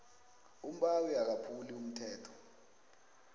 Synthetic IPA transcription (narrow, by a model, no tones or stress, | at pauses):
um̩ɓawiak̬apʰulium̩tʰɛːtʰɔ̥